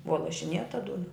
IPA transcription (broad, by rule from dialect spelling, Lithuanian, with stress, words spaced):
ˈbʊɐ lˠɐʃʲɪˈnʲeːtɐ ˈdʊnɐ